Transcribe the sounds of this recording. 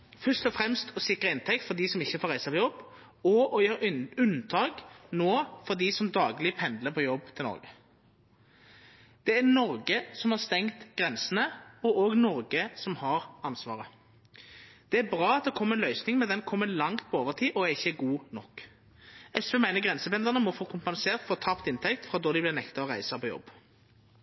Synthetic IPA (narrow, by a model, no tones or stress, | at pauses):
fœst̪ɔfɾɛmst̪ʰɔsɪkɾəɪnt̪ʰɛk̚t̪fɔd̪isɔmɪçːəfoːɾæɪsəpʰɔjɔb | ɔɔjøːɾʉnt̪ʰɑːknoːfɔd̪isɔmd̪ɑːɡlɪpʰɛnd̪ləpʰɔjɔbt̪ʰɪlnɔ̰ɾɡə | d̪̥ɛænɔɾɡəsɔmhɑʁst̪ɛŋt̪ɡ̥ʁɛnsənəɔʔoːɡnɔʁɡəsɔmhɑʁɑnsʋɑ̰ːʁə | d̪̥ɛæɾbʁɑːɑt̪̚d̪ɛkʰɔmːəɛnlœʏsnɪŋmɛnd̪ɛnkʰɔmːəlɑŋt̪̚pʰɔoːʋəʁt̪ʰiːʔɔæɪçːəɡuːnɔkː | ɛsʋemæɪnəɡʁɛnsəpɛnd̪əʁnəmɔfoːkʰʊmpɑnseːʁt̪foːt̪ʰɑpt̪ɪnt̪ʰɛkt̪fʁɑd̪ɔːd̪ɪblɪʁnɛkt̪ɑɔʁæɪsəpʰɔjɔ̰b